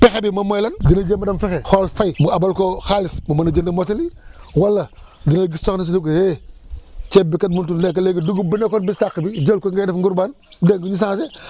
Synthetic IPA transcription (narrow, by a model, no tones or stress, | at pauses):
pɛxebimɐmojlɐndinɐd͡ʒemɐdɐmfɛxexolfajmuabalkoxalismumɐnɐd͡ʒɐndɐmoteliwɐlːɐ | dinɐɡistoxnsinuk̬ohe | t͡ʃebikːɐt̚muntulnek̬ɐleɡiduɡubinekonbisakːbid͡ʒɐlkoŋɡedɐfŋɡuɾbaːn | deŋɡuɲis̬ãːs̬e